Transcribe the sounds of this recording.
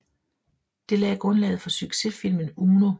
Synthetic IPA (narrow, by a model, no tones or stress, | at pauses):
d̥e̝lɛːɡ̥ʁɔ̽nlɛ̰ːð̩ˠfɒ̽syɡ̥se̝fil̰mən̩uːno̝